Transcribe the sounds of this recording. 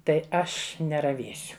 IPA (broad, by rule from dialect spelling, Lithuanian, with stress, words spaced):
ˈtɐɪ ˈɐʃ nʲɛrɐˈʋʲeːsʲʊ